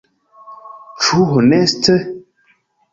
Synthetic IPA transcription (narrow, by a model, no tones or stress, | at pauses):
t͡ʃuɦonɛstə